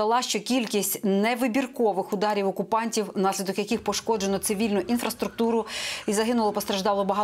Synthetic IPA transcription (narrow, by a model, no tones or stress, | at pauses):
ɐlˠɑʃt͡ʃɔkʲilʲkʲisʲtʲnɛʋɪbʲirkɔʋɪxʊd̪ɑɾʲiwɔkʊpɑnʲtʲiwnɑsʲlʲid̪ɔkjɐkɪxpɔʃkɔd͡ʒenˠɔt̪sɪʋʲilʲnʊʔinfɾɐst̪ɾʊk̚t̪uɾʊizɐɦɪnʊlˠɔpɔst̪ɾɐʒd̪ɑlˠɔbɐɦɑ